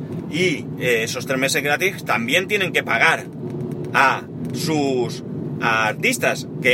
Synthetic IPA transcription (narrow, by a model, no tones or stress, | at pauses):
ieeso̞st̪ɾe̞zme̞se̞zɣɾat̪ixt̪ambje̞nt̪je̞ne̞ŋke̞paɣ̞aɾ | a | susaɾt̪ist̪aske